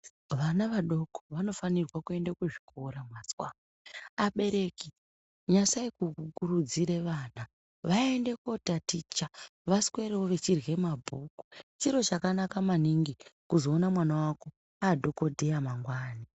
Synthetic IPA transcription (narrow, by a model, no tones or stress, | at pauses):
ʋanaʋaɗo̞koʋano̞fanirwakue̞ndakuʐi̥kʰo̞ɾamwaswa | aɓe̞ɾe̞ki | ɲasaikukuɾud͡ziɾe̞ʋaːna | ʋaende̞ko̞tatit͡ʃaʋaskwe̞ɾewoʋe̞t͡ʃirwe̞mabʱuku̥t͡ʃiɾo̞t͡ʃakanakamaniŋɡikuzo̞ːnamwanawako̞ | aːdʱo̞ko̞dʱejamaŋɡwaːni